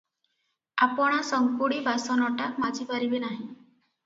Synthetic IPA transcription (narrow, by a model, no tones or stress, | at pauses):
apəɳ̃asəŋkuɽiːbʱasɔnɔʈakmad͡ʑʱiːbaɾibenaɦi